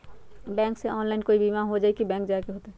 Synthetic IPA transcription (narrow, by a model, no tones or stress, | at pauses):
bɛ̃ːŋkseɔːnlaːɪnkoːibimaɦod͡ʒaːikibɛ̃ːŋkd͡ʒakeɦoːt̪eɦɛ